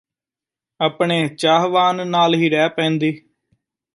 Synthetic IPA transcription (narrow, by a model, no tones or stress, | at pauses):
aːpɳeːt͡ʃaːɦʋaːnːaːlɦiːɾɛːpɛ̃ːnd̪iː